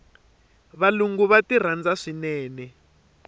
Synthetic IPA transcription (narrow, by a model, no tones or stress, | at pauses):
βaluŋɡuβatir̤and͡zaʂinɛːnɛ